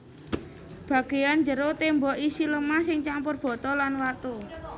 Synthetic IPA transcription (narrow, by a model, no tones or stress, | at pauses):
b̥a̤ɡ̥e̤jand͡ʒəɾot̪embɔʔisiləmasɪŋt͡ʃampʊrb̥ɔ̤t̪ɔlanwat̪u